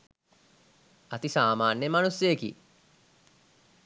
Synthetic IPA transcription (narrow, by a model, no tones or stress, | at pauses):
ɐt̪isaːmaːnjemanusjejkḭ